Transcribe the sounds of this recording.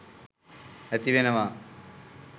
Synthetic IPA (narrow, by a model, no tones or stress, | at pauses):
ɛt̪iʋenɐʋaː